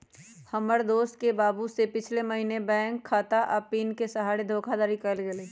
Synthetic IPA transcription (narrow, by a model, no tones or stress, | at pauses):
həməɾd̪oːst̪̚kebaːbusepɪt͡ʃʰleməɦinebɛ̃ːŋkʰːaːt̪aʔɐpiːnkesɐɦaːɽed̪ʱoːkʰad̪aːɾikəlɡeleː